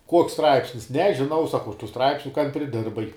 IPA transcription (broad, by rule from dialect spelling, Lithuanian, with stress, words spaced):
ˈkuɔks ˈstrɐɪpʲsʲnʲɪs nʲɛʒʲɪˈnɐʊ sɐˈkɐʊ ɐʃ tuː ˈstrɐɪpʲsʲnʲʊ kɐn pʲrʲɪˈdʲɪrbɐɪ